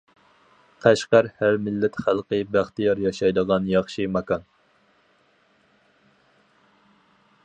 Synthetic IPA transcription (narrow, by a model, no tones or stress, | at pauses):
qʰæʃqæɾhæɾmɪlːɛt̪χælˠqəbæχt̪ɨjɑɾjɑʃɑjd̪əʁɑnjɑχʃɨmɑkɑn